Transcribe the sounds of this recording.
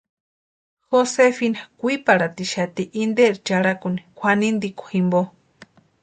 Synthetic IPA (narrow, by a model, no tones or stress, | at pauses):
xosefinakʷipaɾat̪iʃat̪iʔind̪eɾit͡ʃaɺakunikʷʰanind̪ikʷḁximbo